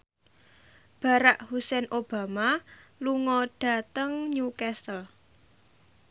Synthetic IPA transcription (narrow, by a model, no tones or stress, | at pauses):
b̥ä̤ɾaʔhusɛnʔob̥a̤maluŋɔɖ̥ä̤t̪əŋɲukɛsəl